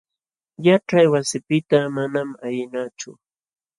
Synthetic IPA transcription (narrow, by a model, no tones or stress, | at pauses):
jaʈ͡ʂajwasɪpɪt̪amanamajɪnat͡ʃʊ̰